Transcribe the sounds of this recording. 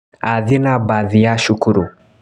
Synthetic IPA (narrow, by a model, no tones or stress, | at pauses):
aðinabaðijaʃukuɾu